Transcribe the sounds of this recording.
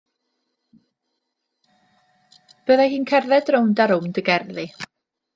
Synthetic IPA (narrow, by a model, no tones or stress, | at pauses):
b̥əːðajɦiːnkʰɛrðɛdrowndaɾʊmdəɡɛrðɪ